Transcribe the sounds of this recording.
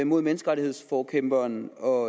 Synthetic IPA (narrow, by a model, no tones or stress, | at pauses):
mo̝ð̞̰ˠmenəsɡ̥ʁɑ̈ɾie̝ð̞̰ˠsfɒːkʰemb̥ɐːnɒ̽